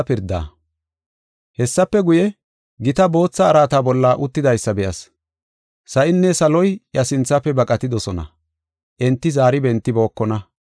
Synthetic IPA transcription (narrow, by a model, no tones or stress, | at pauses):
pɪɾd̪a̰ː | hɛsːɐpːɛɡʊjɛ | ɡɪt̪ɐbo̞ːt͡sːɐːɾaːt̪aːbɔlːaːʔʊt̪ːɪd̪ɐjsːɐbɛjɐs | sɐʔɪnːɛsɐlɔjjɐsɪnt͡sːapːɛbɐkʼɐt̪ɪd̪ɔsɔnɐ̰ | ʔɛnt̪ːɪzaːɾɪbɛnt̪ːɪbo̞ːkːɔnɐ